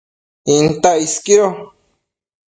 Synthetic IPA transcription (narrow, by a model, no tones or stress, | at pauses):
int̪aiskiɾo